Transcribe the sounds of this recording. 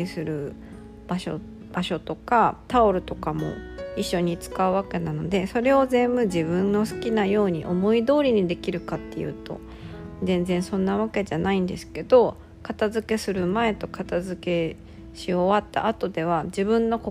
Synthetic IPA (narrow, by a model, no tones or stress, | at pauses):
sɨɾɯ̟ | b̥aɕo̰ | b̥aɕo̞t̪o̞kat̪aoɾɯ̟t̪o̞kamo̞̰iɕːo̞ɲ̟it͡sɨ̥kaɯ̟βake̞nano̞d̪e̞so̞ɾe̞o̞zẽ̞mbɯ̟d͡ʑibɯ̟̃nːo̞sɨ̥kʲinajo̞ːɲ̟ḭʔo̞mo̞id̪o̞ːɾʲiɲ̟id̪e̞kʲiɾɯ̟kat̪ːe̞̰jɯ̰ːt̪o̞̰ | zẽ̞nd͡zẽ̞ɰ̃sõ̞nːaβ̞ake̞ʑanaĩnd̪e̞sɨ̥ke̞d̪̥o̞ | kat̪azɨke̞sɨɾɯ̟mae̞t̪o̞kat̪azɨke̞ | ɕio̞βat̪ːa̰ːt̪o̞d̪e̞β̞ad͡ʑibɯ̟̃nːo̞ko